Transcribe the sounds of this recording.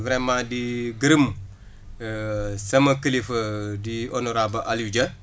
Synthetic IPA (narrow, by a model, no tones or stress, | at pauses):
vɾɛmãːdiɡəɾəm | sɐmɐkəlifɐdionoɾabɐʔaljud͡ʒɐ